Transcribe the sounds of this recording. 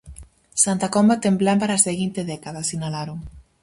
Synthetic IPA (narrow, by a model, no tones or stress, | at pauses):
sant̪akombat̪emblampaɾaːseɣint̪eðɛkaðasinalaɾoŋ